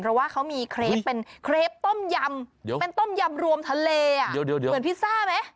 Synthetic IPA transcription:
pʰɾɔ˦˥waː˥˩kʰa˦˥wmiː˧kʰɾeː˧˥pːe˧nkʰɾeː˦˥p̚t̪o˥˩mja˧mdpe˧nt̪o˥˩mja˧mɾu˧əmt̪ʰa˧leː˧ʔa˨˩ddi˧mɨ˩˦npʰiː˥˩saː˥˩ma˦˥j

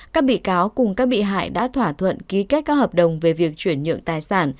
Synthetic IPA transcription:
kaː˦˥k̚ɓḭ˧˨kaː˨˦wkʊ˨˩ŋ͡mkaː˦˥k̚ɓḭ˧˨ɦa̰ː˧˨jɗa̰ː˧˥t̪ʰwaː˧˩t̪ʰwə̰˧˨nki˨˦ke˦˥t̚kaː˦˥k̚həː˨˩p̚ɗə˨˩wŋ͡mve˨˩vi˨˩ək̚t͡ɕwi˧˩ənɲɨ̰˧˨əŋt̪aː˨˩jsaː˧˩n

